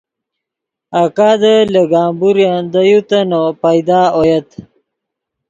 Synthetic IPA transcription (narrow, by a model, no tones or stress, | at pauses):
akaːd̪ələɡaːmbuɾjand̪ajut̪ɐnopajd̪aːojet̪